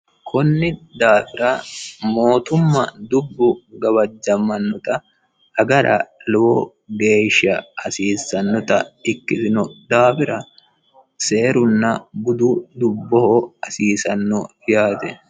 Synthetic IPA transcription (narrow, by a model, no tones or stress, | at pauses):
kʰɔnːɪd̪aːfɪɾɐmo̞ːt̪ʊmːɐd̪ʊbːʊɡɐbɐd͡ʒːɐmːɐnːɔt̪ɐ | hɐɡɐɾɐ̰lʊwɔ | ɡe̞ːʃːɐɐsiːsɐnːɔt̪ɐ̰ɪkːɪsɪnɔd̪aːfɪɾɐ | se̞ːɾʊnːɐbʊd̪ʊd̪ʊbːɔhoɐsiːsɐnːɔ | jaːt̪ɛ